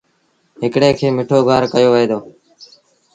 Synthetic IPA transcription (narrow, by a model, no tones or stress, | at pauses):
ɦɪkɽeːkʰeːmɪʈʰoːɡʱaːɾkəjoːʋəɦeːd̪oː